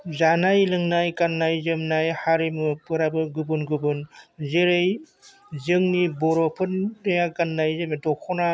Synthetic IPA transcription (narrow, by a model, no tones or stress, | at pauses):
zanajlɯŋnajkanːajzɯmnajhaɾimɯpɯɾabɯɡɯbɯnɡɯbɯnzeɾɯj | zɯŋnibɔɾɔpʰɯnːɯjakanːajzɯmedɔkʰɔna